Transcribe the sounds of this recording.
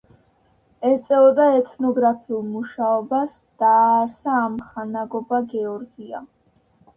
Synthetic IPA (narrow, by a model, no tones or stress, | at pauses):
ɛt̪sʼɛɔd̪aɛt̪ʰnɔɡɾapʰiulˠmuʃaɔbasd̪̥aːɾsaːmχanaɡɔbaɡɛɔɾɡia̰